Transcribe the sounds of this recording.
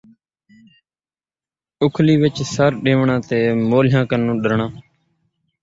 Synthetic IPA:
ʊkʰliːʋɪt͡ʃsəɾɗẽːʋɳãːt̪eːmoːlɪjãːkənːũːɗəɾɳãː

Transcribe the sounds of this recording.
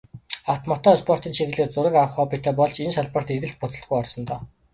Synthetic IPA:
aw̥ʰt̪mɔt̪ɔːspʰɔr̥t̪iːnt͡ɕʰiɘ̆ɮɘ̆ːrt͡sʊɾə̆kawə̆χɔːpit̪ʰeːpɔɮt͡ɕensaɮpə̆r̥t̪erɣɘ̆ɬt̪̚pʊt͡sɵ̆ɮt̪ɡujɔrsɞ̆nt̪ɔː

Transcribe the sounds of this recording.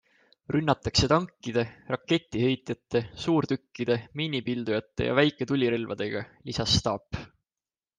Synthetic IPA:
rynːɑt̪ːˑɑkse̞t̪ɑŋkːid̪̥e̞rɑkːe̞t̪ʲːˑihe̞jt̪jɑt̪ːˑe̞suːɾt̪ykːid̪̥e̞miːnipild̪̥ujɑt̪ˑːe̞̰jɑ̰væjkːˑe̞t̪ulʲːiɾelvɑ̰d̪̥e̞ɡ̥ɑlisɑsːt̪ɑːpː

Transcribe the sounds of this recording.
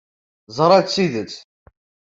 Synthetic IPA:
zˤɾˤæt͡s̪siðət͡sː

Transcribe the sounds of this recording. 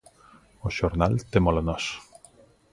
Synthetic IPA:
oʃoɾnalt̪emolanɔs

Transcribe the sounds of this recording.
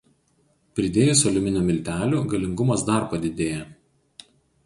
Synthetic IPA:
pʲɾʲɪd̪ʲeːjɛːsɐlʲʊmʲɪnʲomʲɪlʲt̪ʲæːlʲuːɡɐlʲɪŋɡʊmɐsd̪ɐˑɾpɐd̪ʲɪd̪ʲeːjɛ

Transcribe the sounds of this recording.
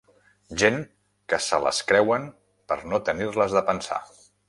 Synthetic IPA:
ʒen | kəsələ̰skɾɛwən | pəɾnot̪ənirləzðəpənsa̰

